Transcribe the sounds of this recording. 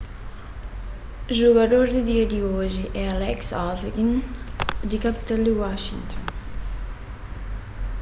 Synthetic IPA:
ʒuɡad̪oɾd̪id̪iɐd̪ioʒiʔɛalɛksaveɡin | d̪ikapit̪ɛld̪iwaʃiŋt̪ɔn

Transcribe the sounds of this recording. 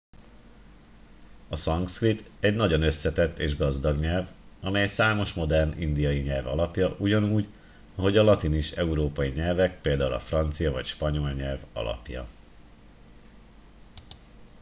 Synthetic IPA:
ɒsɒŋkskrit̪ɛɟnɒɟo̞nøsːɛt̪ɛt̪ːeːʒɡɒzd̪ɒɡɲɛlvɒmɛjsaːmo̞ʃmo̞d̪ɛrnḭnd̪ijɒjiɲɛlvɒ̰lɒpjɒʔuɟɒnuːɟ | ɒɦo̞ɟɒlɒt̪iniʃɛuɾoːpɒjiɲɛlvɛk̚peːld̪aːulɒ̰frɒnt̪sijɒvɒ̰cʃpɒɲo̞lɲɛlvɒ̰lɒ̰pjɒ̰

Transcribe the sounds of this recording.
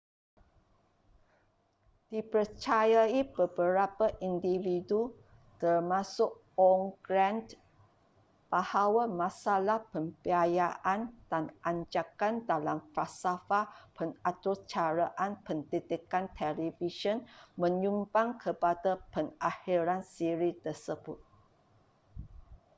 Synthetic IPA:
d̥ipərt͡ʃajaibəbəɾapaʔindividu | t̪ərmasʊk̚ | ɔŋɡɾand | b̥ahawamãsalahpəmbiajaʔand̥anʔaɲd͡ʒakandalamfasafapənat̪ut͡ʃaɾaʔanpənt̪it̪ikant̪ʰɛlifiʃɔnmə̃ɲumbaŋkʰəpadapəŋahiɾansiɾit̪ərsəbʊt̪̚

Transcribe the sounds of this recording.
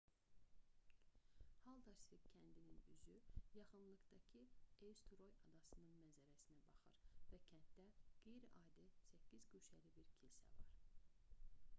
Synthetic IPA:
hɑlˠd̪ɑsfikcʰænd̪ininyzyjɑχɯnlˠɯɡd̪ɑcʰiewst̪ʰuɾo̞jɑd̪ɑsɯnɯnmænzæɾæsinæbɑχɯ̰ɾvæcʰænt̪̚d̪æɡ̥ejɾiʔɑːd̪ɯsæcːizɡyʃælibiɾcʰilsæ̰vɑ̰ɾ

